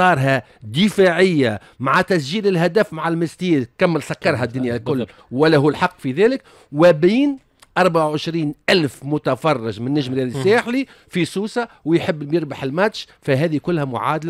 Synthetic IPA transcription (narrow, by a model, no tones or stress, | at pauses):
ɑːɾˤɦæ | d̪ɪfaʕɪjːa | maʕat̪æs̬ʒiːlɪlɦæd̪æfmaʕalmɪst̪iːd̪kæmːɪlsækːɑɾˤɦæd̪ːʊnjalkʊlː | wælːæhuːlħɑqːfiðæːlɪk | wɪbiːn | ʔɑɾˤbaʕawʕɪʃɾiːnʔælfmʊt̪afɑrˤːɪʒmɪnːæʒmɾjæːlɪsːæːħli | fisuːsɑwjħɪbːjɪɾbaħɪlmæt̪ʃfæɦɛːðikʊlːhæmʊʕa̰ːd̪la